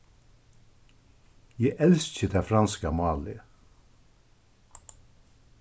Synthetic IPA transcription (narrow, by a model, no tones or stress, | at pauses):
jæɪʔɛlsc͡çəd̪ʰæːfɾɑnskɑmɑːlɪ